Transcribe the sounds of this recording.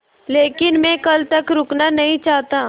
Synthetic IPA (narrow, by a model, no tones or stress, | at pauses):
leːkɪnmɛ̃ːkɐlt̪ɐkɾʊknanɐɦĩt͡ʃaːɦt̪ãː